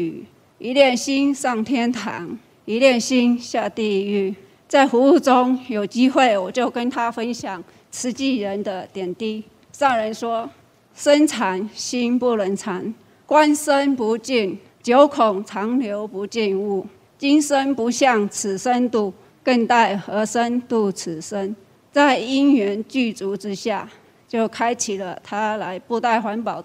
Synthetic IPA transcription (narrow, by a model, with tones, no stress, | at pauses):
i˧˦ljɛ˥˩nɕi˥nsɑ˥˩ŋt̪ʰjɛ˥nt̪ʰɑ̰˧˥˦ŋ | i˧˦ljɛ˥˩nɕi˥nɕja˥˧t̪i˥˧y˥˩ | t͡sa˥˩ɪxu˧˦u˥˧t͡so˦ŋjo˨˩ʊt͡ɕi˦˥xwe˥˩ɪwɔ˨˩t͡ɕjo˥˩ʊkə˦nt̪ʰa˦˥fə˦nɕjɑ˨˩ŋ | t͡s̩ʰ˧˦t͡ɕi˥˩ɻə˧˦nd̪ə˧t̪jɛ˨˩nt̪i˥˩ | sɑ˥˩ŋɻə˧˦nswɔ˥ | sə˦nt͡sʰa˧˦nɕi˥npu˥˩lə˧˥nt͡sʰa˧˦n | kwa˦nsə˦npu˨˥˦t͡ɕi˥˩n | t͡ɕjo˨˦ʊkʰʊ˨˩ŋt͡sʰɑ˨˧˥ŋljo˧˥ʊpu˧˥t͡ɕi˥˧nu˥˩ | t͡ɕi˦nsə˦˥npu˧˥ɕjɑ˥˩ŋt͡s̩ʰ˨˩ʂə˦nt̪u˥˧ | kə˥˧ŋt̪a˥˩ɪxɤ˧˥ʂə˦nt̪u˥˩t͡s̩ʰ˨˩sə˦˥n | t͡sa˥˩ɪi˦˥nɥɛ˧˦nt͡ɕy˥˩t͡su˧˥ʈ͡ʂɻ̩˦˥ɕja˥˧ | t͡ɕjo˥˩ʊkʰa˦ɪt͡ɕʰi˨˩lə˦t̪ʰa˥la˧˦ɪpu˥˧t̪a˥˩ɪxwa˧˦˥npɑ˨˩˦ʊ